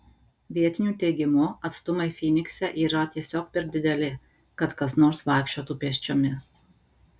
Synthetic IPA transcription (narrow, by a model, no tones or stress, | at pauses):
ʋʲiɛt̪ʲɪnʲuːt̪ʲɛɪɡʲɪmʊɐt̪st̪ʊmɐɪfʲiːnʲɪksʲɛʔiːɾɐt̪ʲiɛsʲoːk̚pʲɛɾd̪ʲɪd̪ʲɛlʲɪ | kɐt̪kɐsnoːɾsʋɑˑɪkʃʲt͡ʃʲoːt̪uːpʲiɛʃʲt͡ʃʲoːmʲɪs